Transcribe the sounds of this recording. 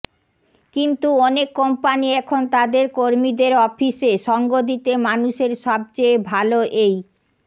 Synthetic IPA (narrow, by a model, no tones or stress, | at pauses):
kint̪uɔnekːɔmpaniɛkʰont̪ad̪eɾkoɾmid̪eɾɔfiseʃɔŋɡod̪it̪emanuʃeɾʃɔb̚t͡ɕejbʱaloʔej